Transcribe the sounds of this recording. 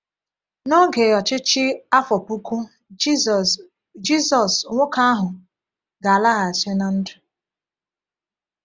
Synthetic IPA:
nɔ˦ɡe˨ɔ˨t͡ʃɪ˦t͡ʃɪ˦a˦fɔ˨pu˦kʷu˦ | d͡ʒi˦zɔ˨sŋʷʊ˦ka˦a˦ɦʊ˨ | ɡa˨a˨la˦ɣa˨e˨se˦na˨n̩˦dʊ̥˨

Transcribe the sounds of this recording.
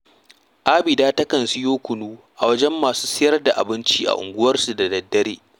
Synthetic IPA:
ʔa˦bɪ˨daː˦tɐ˦kɐ˨nsɪ˦joː˦kʷʊ˨nuː˦ʔa˨wɐ˦d͡ʒɛ˦mːaː˨suː˦sɪ˦jɐ˦rda˨ʔa̰˨bɪ˦nt͡ʃiː˦ʔa̰˨ʔʊ̰˨ŋɡʷʊ˦wɐ˦rsu˨da˨dɐ˦dːɐ˦ɾeː˦

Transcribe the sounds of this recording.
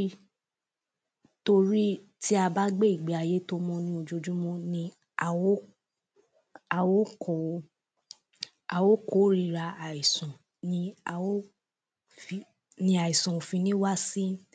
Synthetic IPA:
i˦ | to˧ɾi˦ | ti˦a˧ba˦ɡ͡be˦i˦˨ɡ͡be˨˦a˧je˦to˦mɔ̃˧nĩ˧˦o˧d͡ʒo˧d͡ʒũ˦mɔ̃˧nĩ˧ | a˨wo˦ | a˨wo˦kɔ˨o˧ | a˨wo˦ko˦ɾi˧ɾa˧a˨i˨sɔ̃˨ | nĩ˧a˨wo˦ | fi˧ | nĩ˧˦a˨i˨sɔ̃˨fĩ˧nĩ˦wa˦sĩ˦

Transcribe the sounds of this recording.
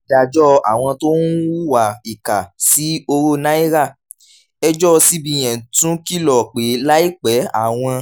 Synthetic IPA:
da˧d͡ʒɔ˦a˨w̃ɔ̃˧to˦n˦wu˦wa˨i˨ka˨si˨˦o˧ɾo˦nã˦i˦ɾa˦˨ | ɛ˦d͡ʒɔ˦˧si˦bĩ˧j̃ɛ̃˨tũ˦ki˦lɔ˨k͡pe˨˦la˦i˦˨k͡pɛ˨˦a̰˦˨w̃ɔ̃˧

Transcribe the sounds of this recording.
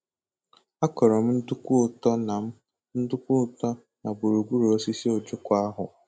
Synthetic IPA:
a˦kɔ˨ɾɔ˨m̩˦n̩˦dʊ˦kʷʊ˦˨tɔ˦na˨m̩˦ | n̩˦dʊ˦kʷʊ˦˨tɔ˦ | na˨bʊ˨ɾu˨ɡʷu˦ɾu˨o˦si˦si˦o˨d͡ʒʊ˦kʷa˦ɦʊ˨

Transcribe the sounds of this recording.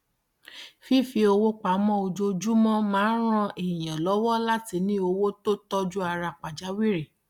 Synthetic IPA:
fi˦fi˧o˧wo˦k͡pa˨mɔ̃˦o˧d͡ʒo˧d͡ʒu˦mɔ̃˦mãː˨˦ɾ̃ã˧ʔe˨j̃ã˨lɔ˨˦wɔ˦la˦ti˧˦nĩ˦o˧wo˦to˦tɔ˦d͡ʒu˦a˧ɾa˧˨k͡pa˨d͡ʒa˨˦wi˦ɾe˦˨

